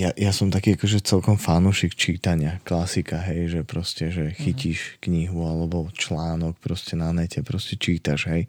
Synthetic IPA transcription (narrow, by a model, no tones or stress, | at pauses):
jajasɔmt̪akiːakɔʒɛt͡sɛlkɔmfanuʃikt͡ʃiːt̪aɲɪaklasikaɦɛjʒɛpɾɔscɛʒɛxiciːʃkɲiɦualɛbɔt͡ʃlaːnɔkpɾɔscɛnanɛcɛpɾɔscɛt͡ʃiːt̪aʒɦɛj